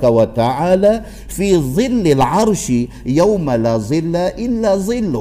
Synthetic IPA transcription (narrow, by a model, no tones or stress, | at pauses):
kawat̪aʕaːlaː | fiːðˤɨlːɪlʕɑɾˤʃ | jawmalaːðˤɨlːaʔɪlːaːðˤɨlːʊ